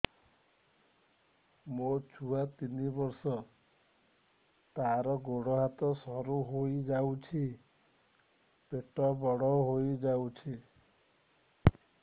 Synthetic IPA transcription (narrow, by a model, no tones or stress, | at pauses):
mot͡ʃʰuat̪inibɔɾsɔ | t̪aɾɔɡoɽɔɦat̪ɔsɔɾuɦojd͡ʒawt͡ʃʰi | peʈɔbɔɽɔɦojd͡ʒawt͡ʃʰi